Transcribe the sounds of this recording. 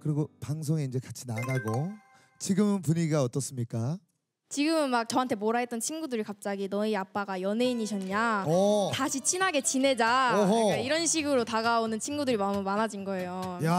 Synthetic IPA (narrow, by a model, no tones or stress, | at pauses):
kɯɾiɡopaŋs̬ʰoŋeind͡ʑe̞kat͡ɕʰinanaɡo | t͡ɕiɡɯmpuɲiiɡaʌt͈ʌs͈ɯmɲik͈a | t͡ɕiɡɯmɯnmak̚t͡ɕʌɦantʰe̞moɾaɦet͈ʌnt͡ɕʰinɡudɯɾikap̚t͡ɕ͈aɡinʌiap͈aɡajʌne̞iɲiɕʰʌɲɲataɕʰit͡ɕʰinɦaɡe̞t͡ɕine̞d͡ʑaoɦeiɾʌnɕʰiɡɯɾotaɡaonɯnt͡ɕʰinɡudɯɾimamumanad͡ʑinɡʌe̞joj